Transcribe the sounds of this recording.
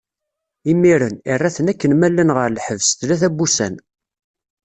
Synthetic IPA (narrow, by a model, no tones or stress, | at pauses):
imːiɾənirˤːæθənækːənmælːənʁəɾlħəvst̪læθæbːusæ̰n